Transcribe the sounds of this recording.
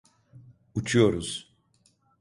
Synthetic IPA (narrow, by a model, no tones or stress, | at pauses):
ut͡ʃʰujo̞ɾuz̥